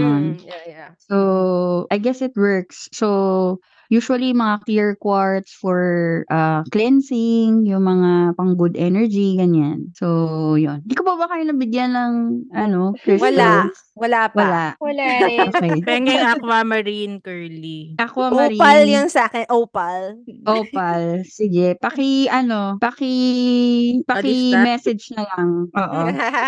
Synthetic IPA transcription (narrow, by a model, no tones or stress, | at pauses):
onjasoʔɐjɡɛsɪt̪wɛɹksːo | juːʃwɐlimɐŋakiɹkwaɹt̪sfɔɹʔaklɛnsɪŋjʊŋmɐŋapɐŋɡʊd̪ʔɛnɛɹd͡ʒiɡɐɲansojond̪ikopɐbɐkaːjonɐbɪɡjanːɐŋʔɐno̞kɛwɐa | wɐlawɐlaʔwɐaokɛjpɛŋɡɛŋakwamɐɾinkɛɹliʔɐkwamɐɾipɐljaŋsaːkɛnʔoːpɐlʔopɐlsɪɡɛpɐkɪʔɐno̞pɐkɪ | pɐkɪmɛsɛd͡ʒnɐlɐŋʔoːʔo